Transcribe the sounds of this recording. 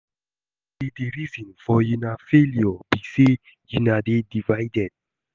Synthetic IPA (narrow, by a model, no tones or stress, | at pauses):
ideɹizɔ̃nfɔjunafeljɔbise | junadedivaɪdɛd̥̚